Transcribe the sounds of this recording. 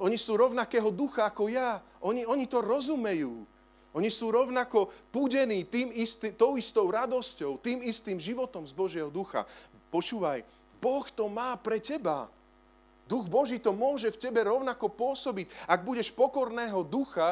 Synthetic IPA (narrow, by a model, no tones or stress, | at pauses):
ɔɲisuːɾɔʊnakɛːɦɔd̪uxaakɔjaʔɔɲiɔɲit̪ɔɾɔzumɛjuː | ɔɲisuːɾɔʊnakɔpuɟɛniːt̪iːmist̪it̪ɔʊist̪ɔʊɾad̪ɔscɔʊt̪iːmist̪iːmʒiʋɔt̪ɔmzbɔʒɪɛɦɔd̪uxa̰pɔt͡ʃuːʋaj | bɔxt̪ɔmaːpɾɛcɛba̰ | d̪uɣbɔʒiːt̪ɔmʊɔʒɛfcɛbɛɾɔʊnakɔpʊɔsɔbiɟaɡ̚buɟɛʃpɔkɔɾnɛːɦɔd̪uxa